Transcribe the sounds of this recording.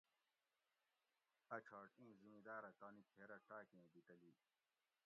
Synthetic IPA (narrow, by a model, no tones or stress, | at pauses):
ɐt͡ɕʰaːʈĩːzimid̪aːɾɐt̪aːnikʰeːɾɐʈaːkẽːbit̪ɐliː